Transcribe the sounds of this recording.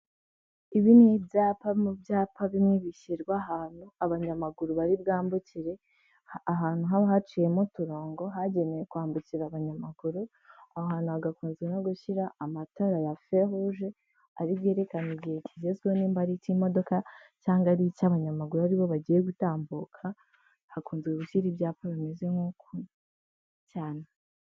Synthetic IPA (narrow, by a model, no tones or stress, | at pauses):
iβinwebjaːpamubjaːpʰaβimŋiβiʃiɾɡwaɦaːn̥uaβaɲamaɡuɾuβaɾibɡaːmbuciɾe̞ | aɦaːn̥huɦaβahat͡ʃije̞mutuɾoːŋɡo̞ɦaɟe̞ne̞je̞kuaːmbuciɾaβaɲamaɡ̥uɾu | ahoɦaːnuaɡakuːnzɡenoɡuʃiɾaːmatoɾajafe̞huʒe̞ | aɾiβɡe̞ːɾe̞kaniɟihecizezɡoniːmbaɾicimo̞do̞ka | caːŋɡaɾicaβaɲamaɡuɾuaɾiβo̞βaɟiːje̞ɡutaːmbuːkʰa | hakuːnzɡeɡuʃiɾibjaːpaβime̞zɡe̞ŋuːko | caːne